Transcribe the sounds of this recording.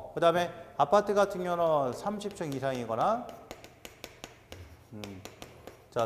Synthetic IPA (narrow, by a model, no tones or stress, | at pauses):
kɯdame̞apʰatʰɯɡatʰɯŋjʌnʌnsʰamɕʰip̚t͡ɕ͈ʌŋisʰaŋiɡʌna | ɯ | t͡ɕa